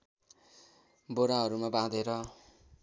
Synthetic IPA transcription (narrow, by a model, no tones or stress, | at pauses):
boɾaɦʌɾumabãd̪eɾʌ